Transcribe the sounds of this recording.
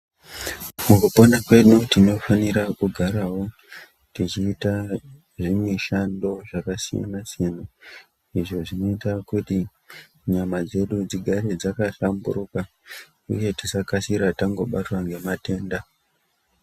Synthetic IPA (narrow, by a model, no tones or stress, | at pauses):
mukuponakwe̞nutino̞faniɾakuɡʱaɾaɦo̞ | tit͡ʃiːta | ʐimweʃando̞ʐakasija̰nasijana | iʐo̞ʐino̞itakuti | ɲamad͡ze̞ɗud͡ziɡʱaɾed͡zakaɬambṵɾuka | ṵje̞tisakasiɾataŋɡo̞ɓatwaŋɡe̞mate̞ːnda